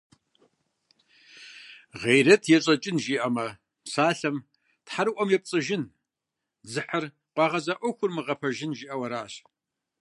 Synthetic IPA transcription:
ʁejɾɐtʰjɛɕʼɐt͡ʃʼɪnʒiːʔɐmɐ | saːɬɐm | tħaɾɨʔʷɔmjɛp̚t͡sʼɨʒɪn | zɨħɐr | qʷɑːʁɐzɐʔʷɔxʷʊrmɨʁɐpʰɐʒɪnʒiːʔɐwɐɾaːɕ

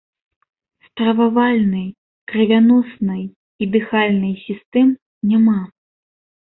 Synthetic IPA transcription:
st̪ɾɐvavalʲnɨj | kɾɨvʲanɔsnɨj | id̪ɨxalʲnɨjsʲist̪ɛm | nʲama

